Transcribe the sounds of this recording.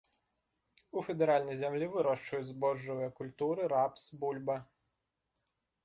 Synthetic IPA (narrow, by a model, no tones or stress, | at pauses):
ufed̪eɾɑlʲnʲijzʲemlʲiʋɪɾɔʃt͡ʃʊjʊzbɔʒɔʋɐjɐkʊlʲt̪uɾɪɾɑpsbulʲbɐ